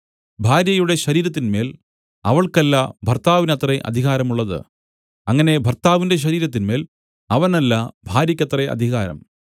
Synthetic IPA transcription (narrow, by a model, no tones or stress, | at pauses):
bʱaːɾjɐjuɽe̞ɕɐɾiːɾɐt̪̬ːinme̞ːl | ɐʋɐɭkɐlːɐbʱɐrt̪aːʋinɐt̪reʔɐ̰d̪ʱiɣaːɾɐmuɭːɐðɨ̰ | ɐŋːɐne̞bʱɐrt̪aːʋinde̞ɕ̬ɐɾiːɾɐt̪̬ːinme̞ːl | ɐʋɐnɐlːɐbʱaːɾjɐkʲːɐt̪reʔɐ̰d̪ʱiɣaːɾɐ̰m